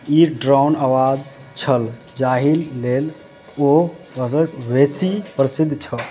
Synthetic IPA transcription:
iɖɾawnawad͡ʒ | t͡ʃʰəl | d͡ʒaɦilːel | obəsət͡ʃʋesipɾəsɪd̪ʱːt͡ʃʰə

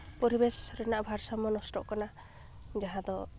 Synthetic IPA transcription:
pɔɾibesɔ̥sɔɾinaʔbʱaɾsamɔnɔsʈɔ̰ʔkɔna | d͡ʒaɦãd̪ɔ

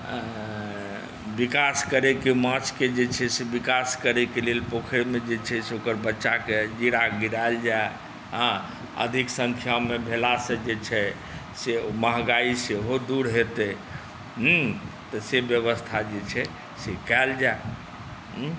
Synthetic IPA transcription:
bikaskəɾekemət͡ʃʰked͡ʒet͡ʃʰɛsebikaskəɾekelelpokʰeɾmed͡ʒet͡ʃʰɛseokəɾbətːʃaked͡ʒiɽaɡiɾaeld͡ʒae | ɦə̃ | ə̰d̪ʱiksə̃ŋkʰjamːebʱelasə̃d͡ʒet͡ʃʰɛ | seməɦɡaiseɦod̪uɾɦet̪ɛ | ɦ | t̪ɔsebjəβəst̪ʰad͡ʒet͡ʃʰɛ | sekɛld͡ʒae | ɦ

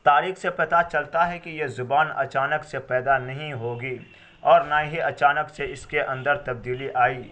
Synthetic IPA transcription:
t̪aːɾiːxsepɐt̪at͡ʃɐlt̪aɦɛkijezʊbaːnɐ̰t͡ʃaːnəksepɛːd̪anɐɦĩɦoːɡiː | ɔːɾnaːɦiɐt͡ʃaːnəkseɪskeʔɐ̃nd̪əɾt̪ɐb̚d̪iːliʔaːiː

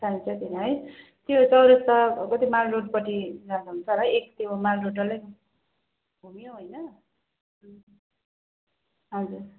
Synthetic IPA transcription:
saint͡sʰʌt̪inaɦʌj | t̪jot͡sʌwɾʌst̪ʌkʌt̪imalroʈpʌʈid͡zad̪uɦunt͡sʰʌɾʌek̚t̪emalroʈʌlej | bʱumijoɦojnʌ | ɦʌd͡zur

